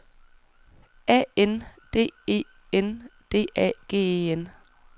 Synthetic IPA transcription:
ɛ̰end̥e̝̰ːe̝̰ː | end̥e̝̰ːʔɛ̰ɡ̥e̝̰ːen

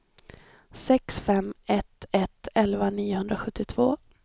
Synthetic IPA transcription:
sɛksfɛmɛt̪ɛt̪ɛlvaniːʊhɵnd̪ɾaɧɵt̪ːɪt̪ʰv̥oː

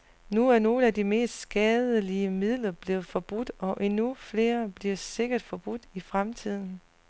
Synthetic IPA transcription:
nuæɐno̝ːləæd̥ime̝̰ːsd̥sɡ̥ɛːðˠəliəmið̰ˠlɐb̥le̝ːð̩ˠfɒ̽b̥ud̥ɒ̽ʔe̝nufle̝ːɐb̥liɐse̝ɡ̥ɐd̥fɒ̽b̥ud̥ifʁamt͡sʰið̰ˠn̩

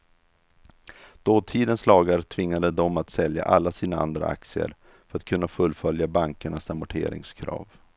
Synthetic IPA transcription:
d̪̥oːt̪ʰiːd̪ənslɑːɡaɾt̪ʰvɪŋːad̪əd̪ɔmat̪sɛlja̰ʔalːasiːnaa̰nd̪ɾa̰a̰k̚t̪sɪə̰ɾ | fœɾat̪̚kʰɵnːafɵlːfœljabaŋkəɳasamʊʈʰḛːɾɪ̰ŋskʰɾɑ̰ːv

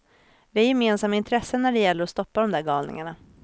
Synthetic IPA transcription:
vɪæɾjɛmeːnsamːaɪnt̪ʰɾɛsːənæɖɛjɛlːəɾɔst̪ɔpːad̪ɔmd̪æːɾɡɑːlnɪ̰ŋaɳa

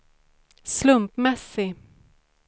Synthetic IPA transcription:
slɵmpmɛsːɪ

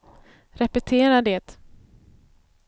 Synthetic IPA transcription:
ɾɛpɛt̪ʰeːɾaɖɛːt̪

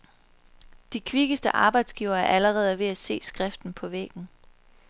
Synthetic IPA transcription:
d̥ikʰʋiɡ̥əsd̥əʔɑ̈ːb̥ɑ̈ɪd̥sɡ̥iʊɐːæɐʔæləʁɛːð̞̩ˠʋe̝æse̝̰ːsɡ̥ʁɛfd̥n̩pʰɒ̽ʋḛɡ̥n̩

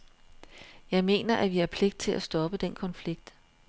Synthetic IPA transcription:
jɑ̈ɪme̝̰ːnɐʔæʋiæɐpʰle̝ɡ̥̚d̥̚t͡sʰe̝lʔæsd̥ɒ̽b̥əd̥enkʰɒ̽nfliɡ̥̚d̥

